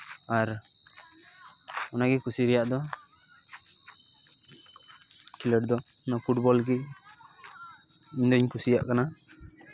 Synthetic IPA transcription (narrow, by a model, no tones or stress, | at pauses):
aɾ | ɔnaɡikʰusiɾɛjaʔd̪ɔ | kiləʈd̪ɔ | napʰuʈ̚bɔlɡi | iɲd̪ɔiɲkʰusija̰ʔkana